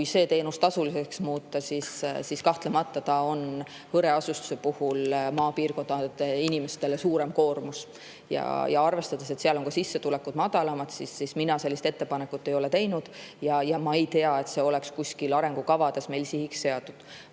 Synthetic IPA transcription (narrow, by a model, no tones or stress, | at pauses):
kkujse̞ːt̪e̞ːnust̪ɑsulise̞ksmuːt̪ːˑɑsissiskɑht̪lemɑt̪ːɑt̪ɑo̞n | hɤɾe̞ɑsust̪u̥se̞puhulmɑːpiːrko̞nd̪ɑt̪einimest̪e̞lesuːɾe̞mko̞ːrmus | jɑ̰jɑɑrve̞st̪ɑd̪̥ese̞t̪seɑlo̞ŋkɑsisːe̞t̪ule̞kːud̪̥mɑd̪̥ɑlɑmɑt̪sisisminɑse̞lːist̪e̞t̪ːe̞pɑnekːˑut̪ːe̞jo̞le̞t̪e̞jnud̪̥jɑjɑmɑe̞jt̪e̞ɑe̞t̪se̞o̞le̞kskusʲkilɑɾe̞ŋɡ̥ukɑvɑd̪̥e̞sme̞jlsihiksːe̞ɑd̪ud̪̥